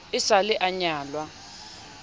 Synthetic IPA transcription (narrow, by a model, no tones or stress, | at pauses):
ɪsalɛʔaɲaːlwa